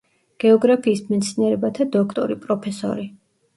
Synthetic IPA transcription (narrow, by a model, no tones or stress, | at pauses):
ɡ̥ɛɔɡɾapʰiːsmɛt̪sʰiniɛɾɛbat̪ʰad̪ɔkʰt̪ʼɔɾipʼɾɔpʰɛsɔ̰ɾi